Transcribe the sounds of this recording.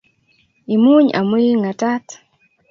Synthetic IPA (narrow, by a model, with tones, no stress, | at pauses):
i˨mu˦ɲa̰˨mwi˦lŋa˨ta˦t̪